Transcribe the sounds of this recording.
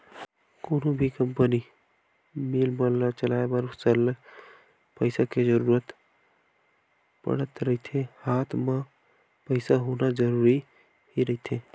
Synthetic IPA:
koːnõbʱikəmpəni | meːlbəat͡ʃəlaːebəɾsəl | pəɪsaked͡ʒəɾuːɾət̪ | pə̰ɽət̪ɾəɦit̪ʰehaːt̪ʰma | pəɪsaɦonad͡ʒəɾuːɾi | hiɾəɦit̪ʰe

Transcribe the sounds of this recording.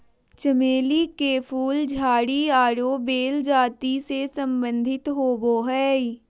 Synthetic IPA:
t͡ʃəmeːlikepʰuːld͡ʒʱaːɽiaːɽobeːld͡ʒaːt̪isesə̃mbə̃nd̪ʱɪt̪ɦoːboːɦɛː

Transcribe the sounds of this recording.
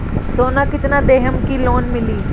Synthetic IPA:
soːnaːkɪt̪nãːd̪eːɦəmkiːloːnmɪliː

